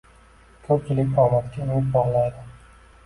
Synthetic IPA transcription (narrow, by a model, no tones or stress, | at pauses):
k̪ʰɵɾt͡ʃɪlɪk̚ʲbʰɒmat̪kʲaʊnɪt̪̚bɒʁlˠajd̪ɪ